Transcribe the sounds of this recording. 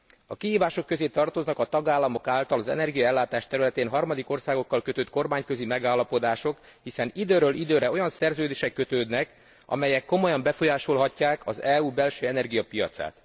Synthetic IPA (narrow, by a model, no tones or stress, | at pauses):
ɒkiɦiːvaːʃo̞kːø̞zeːt̪ɒrt̪o̞znɒkɒt̪ɒɡaːlːɒmo̞kaːlt̪ɒlɒzɛ̰nɛrɡijɒɛlːaːt̪aːʃt̪ɛɾylɛt̪eːnɦɒrmɒd̪iko̞rsaːɡo̞kːɒlkø̞t̪øːt̪̚ko̞rmaːɲkøzimɛɡaːlːɒpo̞d̪aːʃo̞k | hisɛnid̪øːɾøːlʔid̪øːɾɛo̞jɒnsɛrzøːd̪eːʃɛkːø̞t̪øːd̪nɛk | ʔɒ̰mɛjɛkːo̞mo̞jɒmbɛfo̞jaːʃo̞lɦɒcːaːkʰɒzɛuːbɛlʃøːɛnɛrɡijɒpijɒ̰t̪sa̰ːt̪